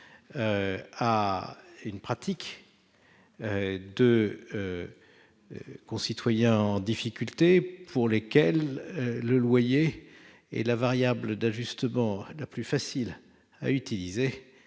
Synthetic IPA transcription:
øa | ynpχat̪ʰik | ød̪əø | kɔ̃sit̪wajɛ̃ɑ̃d̪ifikʲylt̪epʰuʁlekʲɛløːəlwaje | ɛ̰lavaʁjabləd̪aʒyst̪əmɑ̃laplyfasil | a̰yt̪ilize

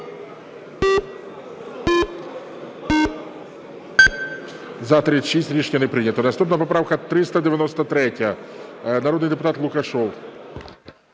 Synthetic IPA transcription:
zɐt̪ɾɪʃisʲtʲɾʲiʃnʲɐnɛpɾɪnʲɐt̪ɔnɐst̪upnɐpɔpɾɑwkɐt̪ɾɪst̪ɐd̪eʋʲjɐnɔst̪ɐt̪ɾɛtʲɐ | nɐɾɔd̪njd̪epʊt̪ɑt̪lˠʊkɐʃɔw

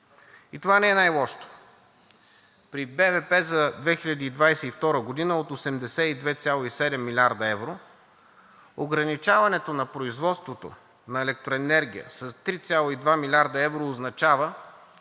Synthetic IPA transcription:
it̪ovanɛɛnajlˠɔʃt̪o̥ | pɾibɛvɛpɛzɐd̪vɛxilʲɐd̪iːd̪vajsɛift̪ɔɾəɡod̪inəot̪osɛmd̪ɛsɛid̪vɛt̪sʲjalˠoisɛd̪ɛmːilʲaɾd̪ɐɛvɾo | oɡɾɐnit͡ʃavɐnɛt̪onɐpɾoizvɔt̪st̪vot̪o̰ | nɐɛlɛk̚t̪ɾoɛnɛɾɡʲḭjə̰sɐst̪ɾit̪sʲjalˠoid̪vamilʲaɾd̪ɐɛvɾoːznɐt͡ʃavə

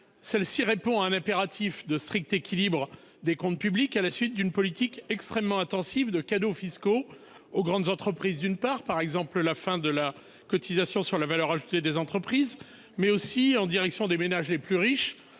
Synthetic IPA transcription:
sɛlsiʁepɔ̃aɛ̃nɛ̃peʁat̪ʰifd̪əst̪χik̚t̪ekʲʰilibʁə | d̪ekɔ̃t̪̚pyblikalasɥit̪̚d̪ynpɔlit̪ikɛkst̪χɛmːɑ̃ɛ̃t̪ɑ̃sivd̪əkad̪ofisko | oɡʁɑ̃d̪zɑ̃t̪χəpχizd̪ynpaʁpaʁɛɡzɑ̃pllafɛ̃d̪əla | kɔt̪izasjɔ̃syʁlavalœʁaʒut̪ed̪ezɑ̃t̪χəpχiz | mɛosiɑ̃d̪iʁɛksjɔ̃d̪emenaʒleplyʁiʃ

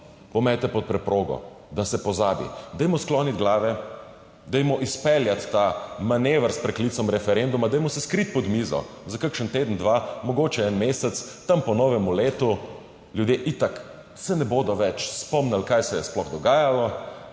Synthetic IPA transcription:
pɔmɛjt̪ɛpɔt̪̚pɾɛpɾoːɡɔ̰ | d̪asɛpɔzaːbḭd̪ɛjmɔsklɔnid̪ɡlaːʋɛ | d̪ɛjmɔʔispɛljat̪ːamaneːʋəɾspɾɛklit̪sɔmɾɛfɛɾend̪umad̪ɛjmɔsɛskɾit̪̚pɔd̪miːzɔ̰zakaɾkʃənt̪eːd̪ənd̪ʋaːmɔɡoːt͡ʃɛɛnmesɛt̪st̪ampɔnɔːʋɛmuleːt̪u | ljud̪jeʔit̪ak | sɛnɛboːd̪ɔʋɛt͡ʃspɔmnalkaːjsɛjɛsplɔɣd̪ɔɡaːjalɔ

